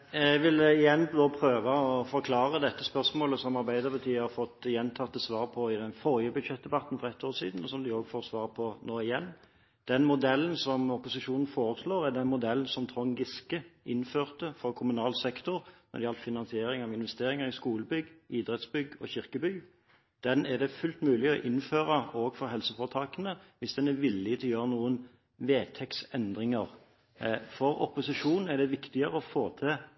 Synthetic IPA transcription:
ɛʋɪləɪjɛnːd̪oːpʰɾøːʋɑɔfɔɾkʰlɑːɾəd̪ɛt̪ːəspœʁsmoːləsɔmɑɾʁbæɪd̪ɑɾbɑt̪ʰiːhɑfɔt̪ːjɛnt̪ʰɑt̪ːəsʋɑːɾpʰɔɪd̪ɛnfɔɾjəbʉd̪ʂɛt̪̚d̪ɛbɑt̪n̩fɔʁɛt̪ʰːoːʁsiːd̪n̩ɔsɔmd̪ɪoːɡfoːʁsʋɑːʁpʰɔnoːɪjɛnː | d̪̥ɛnmʊd̪ɛlːn̩sɔmɔpʊsɪʂuːnn̩foːɾəsloːɾæd̪ɛnmʊd̪ɛln̩sɔmt̪ʰʁɔŋɡɪskəʔɪnføːʁt̪əfɔɾkʰʊmʉnɑːlsɛkt̪ʊɾmɛ̰d̪ɪɑlt̪fɪnɑnsɪeːɾɪŋɑʋɪnʋɛst̪eːɾɪŋəɾɪskuːləbʏɡːiːd̪ɾɛt̪sbʏɡɔ̰ɕɪɾkəby | d̪̥ɛnæd̪ɛfʉlt̪mʉːlɪɔʔɪnføːɾəoːɡfɔɾɦɛlsəfoːʁt̪ʰɑːkənəʋɪsd̪ɛnɛɾʋɪlːɪt̪ʰɪljøːʁənuːən | ʋeːt̪ʰɛksɛnd̪ʁɪŋəɾ | fɔɾɔ̰pʊsɪʂuːnn̩æd̪ɛʋɪkt̪ɪəɾəɔfoːt̪ʰɪ

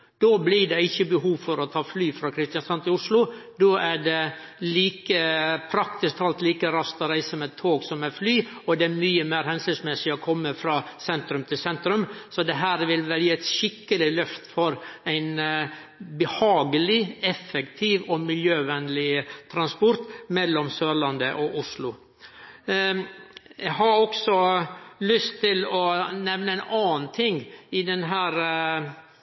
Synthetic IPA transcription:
d̪̥oːblɪɖɛɪçːəbəɦuːʋfɔɾɔt̪ʰɑːflyːfɾɑkʰɾɪst̪ɪjɑnsɑnt̪ɪʊʂlʊd̪oːʔæɖɛ | liːkəpʰɾɑkt̪ɪskt̪ʰɑlt̪liːkəɾɑst̪ɔɾæɪsəɔmɛt̪ʰːoːɡsɔmɛflyːɔd̪ɛæɾmyːəmeːɾhɛnsɪsmɛsɪɔkʰɔmːəfɾɑːsɛnt̪ɾʉmt̪ʰɪlsɛnt̪ɾʉmsɔd̪ɛɦæːɾʋɪlʋɛljiːɛɪt̪ʃɪkːəlɪlœft̪fɔɾæɪn | bəhɑːɡəlɪɛfːəkt̪ʰiːʋɔmɪljøːʋɛnlɪt̪ʰɾɑnspɔɾt̪mɛlːɔmsøːɾɭɑnd̪əʔɔʔʊʂlʊ | ɛɦɑɾɔksɔlʏst̪ʰːɪlɔnɛʋnəæɪnɑːnnt̪ʰɪŋːɪd̪ɛnɦæːɾ

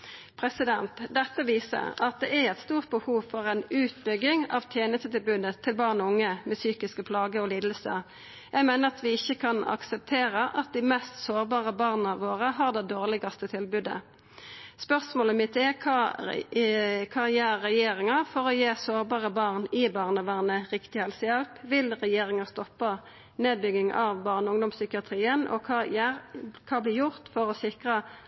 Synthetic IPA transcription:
pʰʁɛsɪd̪ɛnt̪d̪ɛt̪ːəʋiːsə̰ʁɑt̪̚d̪ɛʔæɛt̪st̪uːʁt̪̚bəhuːʋfɔʁɛɪnʉːt̪bʏɡɪŋɑ̰ʋt̪ʰjeːnəst̪ət̪ɪlbʉd̪ət̪ʰːɪlbɑːʁnɔʊŋːəmɛsyːkɪskəpʰlɑːɡəɔliːd̪əlsə̰ | jæɪmæɪnəʁɑt̪ʋɪɪçːəkʰɑnɑ̰ksɛp̚t̪ʰeːʁəʔɑt̪̚d̪ɪmɛst̪soːʁbɑːʁəbɑːʁnɑʋoːʁəɦɑːʁd̪ɛd̪oːʁlɪɡɑst̪ət̪ʰɪlbʉd̪ə̰ | spœʁsmoːləmɪt̪ɛʁkʰɑː | kʰɑːjeːɾːɛjeːɾɪŋɑfɔʁɔjeːsoːʁbɑːʁəbɑːʁnɪbɑːʁnəʋæːʁnəʁɪkt̪ɪhɛlsəjɛlpʋɪlʁɛjeːʁɪŋɑst̪ɔpːɑ | neːd̪̚bʏɡɪŋʔɑʋbɑːʁnəʊŋd̪ʊmsʏkɪɑt̪ʰʁiːənʔɔ̰kʰɑjæɾkʰɑːblɪːjʊʁt̪fɔʁɔsɪkʁə

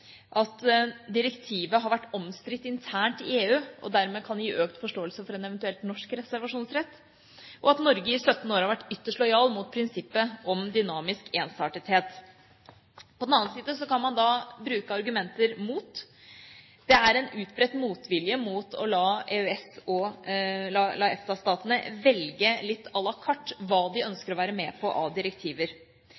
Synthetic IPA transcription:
ʔɑt̪d̪ɪɾɛkt̪ʰiːʋəɦɑɾʋæʈːɔmst̪ɾɪt̪ːɪnt̪ʰæːɳʈɪeːʉːʔɔ̰d̪æɾmeːkʰɑnjiːʔøːkt̪fɔʂʈoːəlsəfɔɾɛnɛʋɛnt̪ʉɛlt̪nɔʂkɾɛsæɾʋɑʂuːnsɾɛt̪ː | ʔɔɑt̪nɔɾɡəɪsœt̪ːnəoːɾhɑɾʋæʈːʏt̪ːəʂʈlɔʏɑːlmuːt̪̚pʰɾɪnsɪpːəɔmd̪ʏnɑːmɪskeːnsɑːʈət̪heːt̪ | pʰɔd̪ɛnɑːnnsiːd̪əsɔkʰɑnmɑnd̪ɑbɾʉːkəɑɾɡʉmɛnt̪əɾmuːt̪ | d̪̥ɛæɾɛnʉːt̪bɾɛt̪ːmuːt̪ʰʋɪljəmuːt̪ʰɔ̰lɑːeøɛsɔ | lɑlɑɛft̪ɑst̪ɑːt̪ənəʋɛlɡəlɪt̪ːɑlɑkʰɑʈːʋɑːd̪ɪœnskəɾɔʋæːɾəmeːpʰɔʔɑd̪ɪɾəkt̪ʰiːʋəɾ

